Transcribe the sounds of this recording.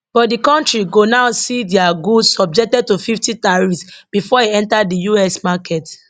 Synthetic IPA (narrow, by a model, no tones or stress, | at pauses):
b̥ɔtdikɔ̃ntɹiɡonaʊsidiaɡusɔb̚d͡ʒɛk̚tɛd̚tufiftitaɹisb̥ifɔeɛ̃ntadijuɛsmakɛt